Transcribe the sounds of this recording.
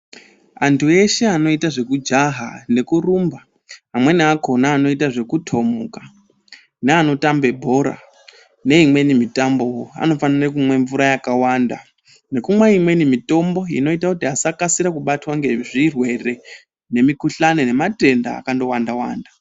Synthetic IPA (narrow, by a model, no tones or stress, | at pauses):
antʰue̞ʃe̞ano̞itaʐe̞kud͡ʒaɦa̰ne̞kurumba | amwe̞niako̞naːno̞itaʐe̞kutʰo̞muka | neano̞tambe̞bʱo̞ɾa̰ | ne̞imwe̞nimitambo̞woa̰no̞fanirek̬umwe̞ɱvuɾajakawanda | ne̞kumwaimwe̞nimito̞mbo̞ḭno̞itakutiasakasiɾakuɓatwaŋɡe̞ʐirwe̞re̞ | ne̞mikuɬanene̞mate̞nda̰ːkando̞wandawa̰ːnda